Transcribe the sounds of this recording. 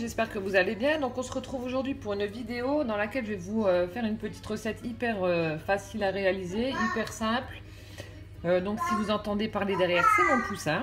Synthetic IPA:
ʒɛspɛʁkəvuzalebjɛ̃d̪ɔ̃kɔ̃səʁət̪χuvoʒuʁd̪ɥipuʁynvid̪eod̪ɑ̃lakʲɛlʒəvɛvuøfɛʁynpət̪i̥t̪ʁəsɛt̪ʰipɛʁøfasilaʁealizeipɛʁsɛ̃pl | ød̪ɔ̃ksivuzɑ̃t̪ɑ̃d̪epaʁled̪ɛʁjɛʁsɛnɔ̃plysɛ̃

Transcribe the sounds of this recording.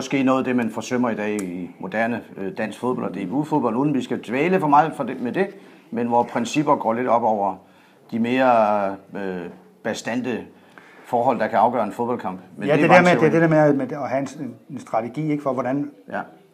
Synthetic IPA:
ɒsɡ̥e̝̰ːnɔ̽ːð̞̩ˠd̥e̝mænfɒ̽søm̰ɐid̥ɛ̰ːimo̝d̥æɐnəd̥æn̰sɡ̥fo̝ðˠbɒ̽l̰ɒd̥e̝ʋuðˠfo̝ðˠb̥ɒ̽l̰uðˠn̩ʋisɡ̥ædʋeːləfɒ̽mɑ̈ɪfɒ̽demed̥e̝ | menʋɒpʰʁɛnsib̥ɐɡ̥ɒ̰ːle̝d̥ɒ̽b̥ɒʊ̰ɐ | d̥ime̝ːɐ | ø | b̥æsd̥æn̰d̥ə | fɒːɦɒ̽l̰d̥ɑ̈kʰæɑ̈ʊɡ̥ɶ̰ːɐenfoðˠb̥ɒ̽lkʰɑ̈m̰b̥mend̥e̥e̥eɐmeed̥edeɐmemeɒhæensd̥ʁɑ̈t͡sʰeɡ̥ḭːe̝ɡ̥əfɒʋɒdænjæ

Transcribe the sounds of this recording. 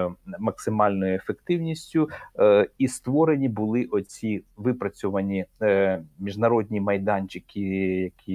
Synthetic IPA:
mɐksɪmɑlʲnɔjʊefekt̪ɪwnʲisʲtʲʊ | ist̪ʋɔɾe̞nʲibʊlˠɪʔɔt͡sʲiʋɪpɾɐt͡sʲɔʋɐnʲi | mʲiʒnɐɾɔd̪ʲnʲimɐjd̪ɑnʲt͡ʃʲɪkʲijɐkʲi

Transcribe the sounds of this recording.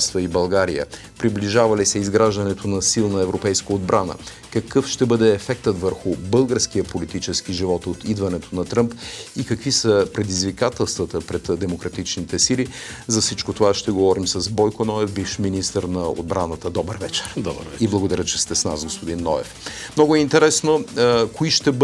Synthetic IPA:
st̪vəibɐlˠɡaɾijə̰ | pɾibliʒavɐlisɛizɡɾaʒd̪ɐnɛt̪ʰonɐsilˠnɐɛvɾopɛjskəod̪bɾʔanə̰ | kɐkɤfʃt̪ɛbɤd̪ɛːfɛk̚t̪ət̪vəɾxʊbɤlˠɡəɾskiəpolit̪it͡ʃɛskiʒivɔt̪ot̪id̪vɐnɛt̪ʰonɐt̪ɾɤmpikɐkvisəpɾɛd̪izvikat̪ɛlˠst̪vət̪əpɾɛt̪d̪ɛmokɾɐt̪it͡ʃnit̪ɛsili | zɐfsit͡ʃkot̪ovaʃt̪ɛɡovɔɾimsɐzbɔjkonɔɛfbiʃminist̪əɾnɐo̰d̪̚bɾʔanət̪əd̪ɔbəɾvɛt͡ʃɛɾd̪iblˠɐɡod̪ɐɾʲət͡ʃɛst̪ɛsna̰sɡospod̪inːɔɛ̰f | mnɔɡʊɛint̪ɛɾɛsnokoiʃt̪ɛb

